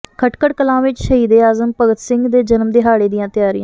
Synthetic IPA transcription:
kʰəʈkəʈkəlãːʋɪt͡ʃʃəɦiːd̪eːaːzəmpəɡət̪sɪŋɡd̪eːd͡ʒənmd̪eːɦaːɽeːd̪ijãːt̪ɪjaːɾḭjãː

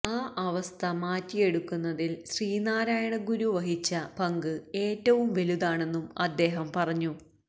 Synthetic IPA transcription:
aːʔɐʋɐst̪ʰɐmaːtːije̞ɽukːunːɐðilɕriːnaːɾaːjɐɳɐɡuɾuʋɐɦit͡ɕːɐpɐŋɡɨe̞ːtːɐʋumʋeluðaːɳe̞nːumɐ̰d̪ːe̞ːɦɐmpɐrɐɲːu

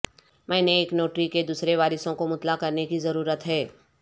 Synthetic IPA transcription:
mɛ̃ːneːknoːʈɾiked̪uːsɾeʋaːɾɪsõkomʊt̪lakɐɾnekizɐɾuːɾət̪ɦɛː

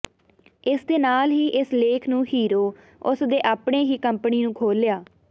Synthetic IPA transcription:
ɪsd̪eːnaːlɦiːʔɪsleːkʰnũːhiːɾoː | ʊsd̪eːʔaːpɳeːɦiːkəmpniːnũːkʰoːlːjaː

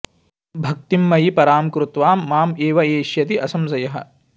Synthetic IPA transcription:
bʱɐk̚t̪imːɐjipɐɾaːmkɾut̪ʋaːmːaːmeːʋɐeːʃjɐt̪iʔɐsɐmsɐjɐɦɐ̰̆

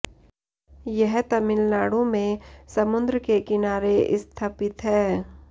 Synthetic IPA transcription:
jɛɦt̪ɐmɪlnaːɽõmẽsɐmʊ̃nd̪ɾəkekɪnaːɾeɪ̰st̪ʰaːpɪt̪ɦɛː

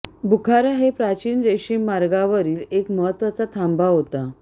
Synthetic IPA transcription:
bukʰaɾaɦepɾat͡ɕiːnɾeɕiːmaɾɡaʋəɾiːlekməɦət̪ːʋat͡sat̪ʰambaɦot̪a

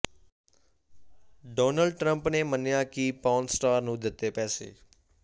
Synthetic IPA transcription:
ɖoːnəlɖʈɾə̃mpneːmənjãːkiːpaːnsʈaːɾnũːd̪ɪt̪ːeːpɛːsḛː

